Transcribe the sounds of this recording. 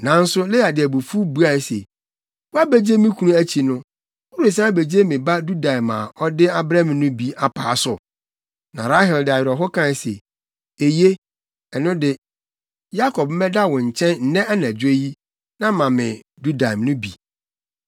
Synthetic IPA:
nã˨n̩˦sʊ˦le˦a˨dɪ˨æ˨bu˨fu˦bu˦a˨˦sḛ˨ | wa˦be˦d͡ʑe˦mɪ̃˦kʰu˦nũ˦æ˦t͡ɕʰi˨nʊ̃˦ | u˦ɾe˨sã˦be˨d͡ʑe˦mɪ̃˨ba˦du˦da˨ma̰˨ʔɔ˦dɪ˦a˦bɾã˦mɪ̃˨nʊ̃˦bi˦a˨pʰaː˨˦sʊ˨ | nã̰˨ɾa˦ɦɛ˨ldɪ˨a˨jɪ˨ɾɔ˨ɦɔ˦kʰã˦˨n˨sḛ˨ | e˨je˦ | ɛ˨nʊ̃˦dɪ˨ | ja˦kʰɔ˨p̚m̩˦mɛ̃˦da˦wɔ̃˨ɲ̩˨t͡ɕʰɛ̃˦nn̩˨nɛ̃˦a˦nã˨d͡ʑe˦ji˦ | nã˦mã˨mɪ̰̃˨du˦da˨mnʊ̃˦bi˨

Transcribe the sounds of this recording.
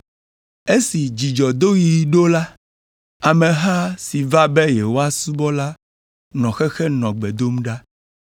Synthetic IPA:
e˦si˨d͡ʑi˨d͡ʒɔ˨d̪o˦ji˨ɖo˦la˦ | a˨mẽ˨ɦa˦si˨va˦bɛ˦je˨wo˦a˦su˦bɔ˦la˦ | nɔ̃˨xɛ˦xɛ˦nɔ̃˨ɡ͡bɛ˨d̪o˦m˦ɖa˦

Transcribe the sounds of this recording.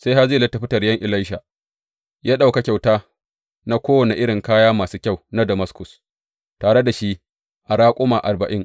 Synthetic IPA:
sa˦jha˦zeː˦˨lɐ˦tːa˨ɸɪ˦tɐ˨rjɐ˦ŋʔɪ˨la˦jʃa˨ | jaː˦ɗa˦˨wka˨kʲa˨wtaː˦ | na˦kʷoː˦wɐ˨ne˨ʔɪ˦ɽɪ˨ŋkaː˦jaː˦maː˨suː˦kʲa˦˨wna˦dɐ˨mɐ˦skʊ˨s | taː˨ɽe˦da˨ʃi˦ | ʔa˨ɽaː˦kʷʼʊ˦maː˨ʔa˨rbɐ˨ʔɪ˦ŋ

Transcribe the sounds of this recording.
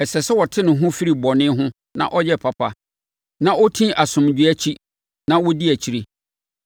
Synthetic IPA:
ɛ˨sɛ˨sɛ˦wɔ˨tʰɪ˦nʊ̃˨ɦʊ̃˦fi˦ɾi˨bɔ˨nɪ̃˦ɦʊ̃˦ | nã̰˦˨ʔɔ˦jɛ˦pʰa˨pʰa˨ | nã˦ʔɔ˦tʰĩ˦ʔa˨sʊ̃˨md͡ʑᶣɥæ˦t͡ɕʰi˦ | nã˦wɔ˦di˦æ˨t͡ɕʰi˨˦ɾe˦

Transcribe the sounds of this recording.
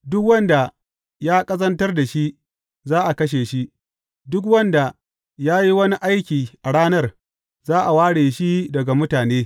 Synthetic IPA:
dʊ˦k̬wɐ˦nda˨ | jaː˦kʼɐ˦zɐ˦ntɐ˦rda˨ʃi˦ʔ | zaː˦ʔa˨kɐ˦ʃ̬eː˨ʃi˦ | dʊ˦k̬wɐ˦nda˨ | jaː˦ji˦wɐ˦ni˦ʔa˦jkʲiː˨ʔa˨ɽaː˦nɐ˦˨r | zaː˦ʔa˨waː˦ɽeː˨ʃi˦dɐ˨ɡa˨mʊ˦taː˨neː˦

